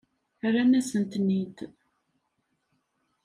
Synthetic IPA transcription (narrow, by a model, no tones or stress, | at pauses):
ɾænæsənt̪nit̪